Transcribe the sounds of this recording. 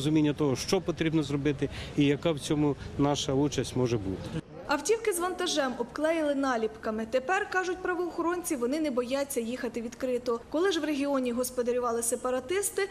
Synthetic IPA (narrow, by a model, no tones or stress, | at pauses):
zʊmʲinʲːɐt̪ɔɦɔʃt͡ʃɔpɔt̪ɾʲibnɔzrɔbɪt̪ɪijɐkɑwt͡sʲɔmʊnɑʃɐut͡ʃɐsʲtʲmɔʒɛbṵt̪ɪ̥ | ɐwtʲiwkɪzʋɐnt̪ɐʒɛmɔbklˠɛjɪlˠɪnɑlʲipkɐmɪt̪epɛrkɑʒʊtʲpɾɐʋɔːxɔɾɔnʲt͡sʲiʋɔnɪnɛbɔjat͡sʲːɐjixɐt̪ɪʋʲid̪kɾɪt̪ɔkɔlˠɪʒʋreɦʲiɔnʲiɦɔspɔd̪ɐɾʲʊʋɑlˠɪsepɐɾɐt̪ɪst̪ɪ